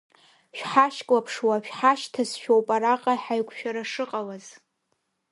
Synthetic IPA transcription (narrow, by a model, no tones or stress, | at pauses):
ʃᶣħaʃkʼlapʰʂwaʃᶣħaʃtʰasʃᶣowpʼaɾaqʼaħaɥkʷʰʃᶣaɾaʂɨqʼawaz